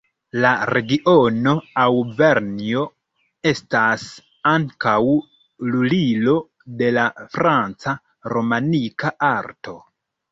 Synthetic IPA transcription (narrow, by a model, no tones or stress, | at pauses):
laɾe̞ɡiʔo̞no̞awve̞ɾnio̞ | e̞stas | aŋkaw | lulilo̞ | de̞lafɾant͡sa | ɾo̞manikaʔaɾto̞